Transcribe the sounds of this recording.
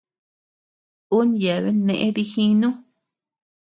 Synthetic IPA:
u˦nja˨βe˦nẽ˧ʔẽ˦ði˧hĩ˦nũ˦

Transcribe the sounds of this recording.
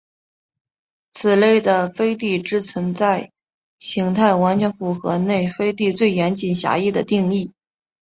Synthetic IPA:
t͡sʰɹ̩˨˩le˥˩ɪd̪ə˩fe˥ɪt̪i˥˩ʈ͡ʂɻ̩˥t͡sʰwə˧˥nt͡sa˥˩ɪ | ɕi˧˥ŋt̪ʰa˥˩ɪwa˧˥nt͡ɕʰɥɛ˧˥nfu˨˩xɤ̰˧˥ne˥˩ɪfe˥ɪt̪̬i˥˧t͡swe˥˩ɪjɛ˧˥nt͡ɕi˨˩nɕja̰˧˥i˥˩d̪ə˩t̪i˥˧ŋi˥˩

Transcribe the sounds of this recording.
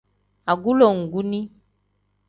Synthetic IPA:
a˨ɡu˦lo˨ŋ̩˨ɡu˦nĩ˦

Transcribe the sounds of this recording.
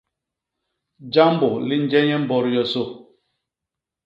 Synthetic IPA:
d͡ʒa˦m˦bo˨li˦n˦d͡ʒɛ˦ɲɛ˦m̩˦bɔ˦ɾjɔ˦so˦˨

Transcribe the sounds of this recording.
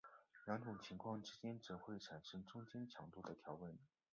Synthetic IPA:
ljɑ˧˥ŋʈ͡ʂʊ˨˩ŋt͡ɕʰi˧˥ŋkʰwɑ˥˩ŋʈ͡ʂɻ̩˥t͡ɕjɛ˥nt͡s̩˧˥xwe˥˩ɪʈ͡ʂʰa˨˩nʂɤ˥ŋʈ͡ʂʊ˥ŋt͡ɕɛ˥nt͡ɕʰjɑ̰˧˥ŋt̪u˥˩d̪ə˩t̪ʰjɑ˧˥ʊwə˥˩n˧˩

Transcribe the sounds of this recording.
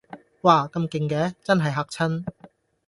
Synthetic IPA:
waː˧kɐ˧mkɪ˧ŋkɛː˨˥t͡sɐ˥nɦɐ˨jɦaː˨˧k̚t͡sʰɐ˥n

